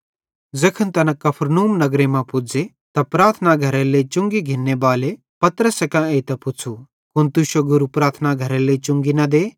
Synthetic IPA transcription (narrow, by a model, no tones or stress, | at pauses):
d͡zɐkʰənt̪ɐnɐkɐpʰɾnuːmnɐɡɾemãpʊd͡ze | t̪ɐpɾaːɾt̪ʰnaɡʱɐɾelet͡ʃʊ̃ŋɡiɡʱɪnːebaːle | pɐt̪ɾəsekãeːt̪ɐpʊt͡sʰu | kʊnt̪uʃoɡʊɾupɾaːt̪ʰnaɡʱɐɾelet͡ʃʊ̃ŋɡinɐd̪eː